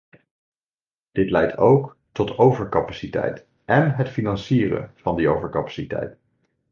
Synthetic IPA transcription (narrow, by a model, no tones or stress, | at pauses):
d̥ɪtlɛjtʰowk | tɔtowvəɹkɑpasitɛ̰jt | ɛnɦətfinɑnsiːrə̰v̥ɑndiowvəɹkɑpḁsitɛ̰jt